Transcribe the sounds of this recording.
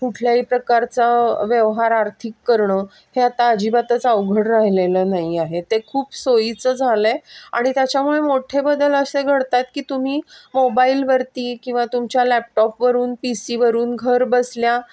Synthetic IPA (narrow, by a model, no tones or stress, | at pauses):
kuʈʰljaɦiːpɾəkaɾt͡saʋjeʋɦaɾaɾt̪ʰikːəɾɳəː | heat̪aəd͡ʑibat̪ət͡səʋɡʱəɽɾaɦlelənaɦiaɦet̪ekʰuːpsoit͡səd͡zʱalea̰ɽ̃it̪jat͡ɕjamuɭemoʈʰebəd̪ələseɡʱəɽt̪at̪kiːt̪um̤iːmobailʋəɾt̪iːkĩw̃ʋat̪umt͡ɕjalæp̚ʈɔpʋəɾuːnpisiːʋəɾuːnɡʱəɾbəslja